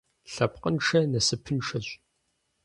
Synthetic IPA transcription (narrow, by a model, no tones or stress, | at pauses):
ɬɐpqənʂɐnɐsɨpʰɨnʂɐɕʷʼ